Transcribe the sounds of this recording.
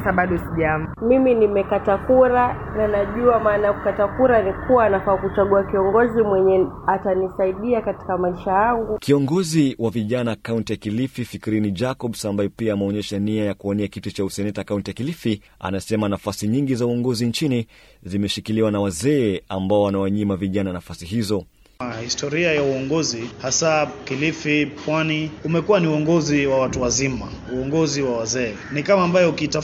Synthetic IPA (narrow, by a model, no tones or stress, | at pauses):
saɓaɗɔsiʄammiminimɛkatakuɾa | nanaʄuamaːnajakukatakuɾanikʰuwaːnafaːkut͡ʃaɠuakiɔŋɡɔzimwɛɲɛatanisaiɗiakati̥kamaiʃajaŋɡukiɔŋɡɔziwʔaviʄanakauntijakilififikiɾinid͡ʒakɔɓsambajɛpiaːmɛɔɲɛʃaniajakuɔniakitut͡ʃausɛnɛtaakauntijakilifi | a̰nasɛmanafasiɲiŋɡizauɔŋɡɔzint͡ʃini | zimɛʃikiliwanawazɛːambaɔwanawaɲimaviʄananafasiɦizɔ | ahistɔɾiajauɔŋɡɔzihasakilifipwaniumɛkuwaniuɔŋɡɔziwawatuwazima | uɔŋɡɔziwawazɛː | nikamaːmbajɔukiːta